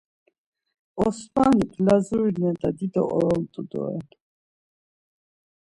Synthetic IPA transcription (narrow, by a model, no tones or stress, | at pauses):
ɔsmanipʰlazuɾinɛd̪ad̪id̪ɔ̰ʔɔɾɔlt̪ʼud̪ɔ̰ɛ̰